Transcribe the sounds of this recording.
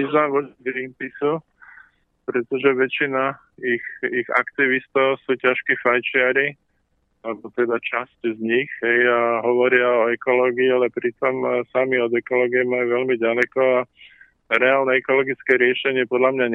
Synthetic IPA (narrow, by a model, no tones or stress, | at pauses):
iznaʋɔd͡ʒɡɾiːmpisu | pɾɛt̪ɔʒɛʋɛt͡ʃina | ixiɣa̰kt̪iʋist̪ɔʊsuːcaʃkiːfajt͡ʃɪaɾi | lɛbɔt̪ɛd̪at͡ʃasczɲixɦɛjaɦɔʋɔɾɪaɔɛkɔlɔːɡiːalɛpɾit̪ɔmsamiɔd̪ɛkɔlɔːɡiɛmajuʋɛlmiɟalɛkɔa | ɾɛaːlnɛɛkɔlɔɡit͡skɛːɾɪɛʃɛɲɪɛpɔd̪lamɲaɲ